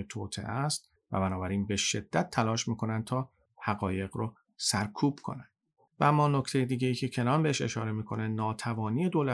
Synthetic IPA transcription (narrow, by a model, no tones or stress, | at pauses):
et̪ʰoːt̪ʰe̞̰ʔæst̪̚ | væ̰bænɒːbæɾiːnbe̞ʃe̞d̪̥ːæt̪ʰːælɒːʃmiːkʰo̞nænd̪̚t̪ʰɒː | hæɢɒːje̞ɣɾo | sæɾkʰuːb̥kʰo̞̰næn̥ | væmːɒːnocʰt̪ʰe̞jed̪iːɟe̞jiːcʰe̞cʰe̞nɒːnbeeʃe̞̰ʃɒːɾe̞miːkʰo̞ne̞nɒːt̪ʰævɒːniːe̞d̪oːlæ